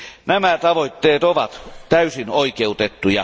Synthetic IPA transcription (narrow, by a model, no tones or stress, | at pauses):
næmæt̪ɑʋoit̪ːeːt̪oʋɑt̪t̪æysinoikeut̪et̪ːujɑ